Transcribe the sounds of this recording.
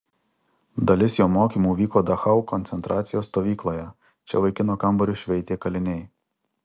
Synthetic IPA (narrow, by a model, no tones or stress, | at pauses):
d̪ɐlʲɪsjoːmoːkʲiːmuːʋʲiːkoːd̪ɐxɐʊkɔnʲt̪sʲɛnt̪ɾʔɑːt̪sʲɪjoːst̪oːʋʲiːklˠoːjɛ | t͡ʃʲɛ̰ʋɐɪkʲɪnoːkɐmbɔɾʲʊʃʲʋʲɛɪt̪ʲeːkɐlʲɪnʲɛɪ